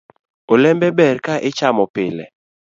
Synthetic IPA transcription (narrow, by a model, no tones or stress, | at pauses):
olɛmbɛbɛɾkaʔɪt͡ʃamɔpɪlɛ̰